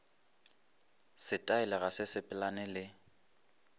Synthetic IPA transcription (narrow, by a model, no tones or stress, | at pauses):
sɪtʼaɛlɛɣasɪsɪpʼɛlanɛlɪ